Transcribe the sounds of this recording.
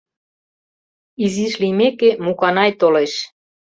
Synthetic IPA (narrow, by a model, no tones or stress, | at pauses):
iziʃlimekemukɑnɑjt̪oleʃ